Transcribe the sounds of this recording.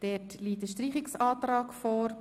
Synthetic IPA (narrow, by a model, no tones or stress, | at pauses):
d̥ɛtliːtəʃtɾiːχɪksɑːtɾɑːkfɔːɾ